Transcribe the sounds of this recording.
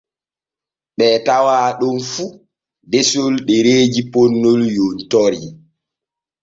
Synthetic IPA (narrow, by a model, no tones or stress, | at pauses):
ɓɛːtawaːɗɔnfu | desolɗɛɾeːd͡ʒiponːoljontɔɾi